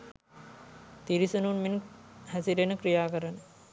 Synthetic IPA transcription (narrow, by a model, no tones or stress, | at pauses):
t̪iɾisununminhæsiɾenəkɾijaːkəɾənə